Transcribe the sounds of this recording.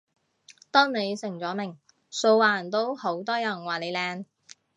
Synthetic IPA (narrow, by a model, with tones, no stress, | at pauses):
t̪ɔː˥ŋne˨˧jsɪ˨˩ŋt͡sɔː˨˥mɪ˨˩ŋ | so˧wlaː˨nt̪o˥who˨˥wt̪ɔː˥jɐ˨˩nwaː˨˩le˨˧jlɛː˧n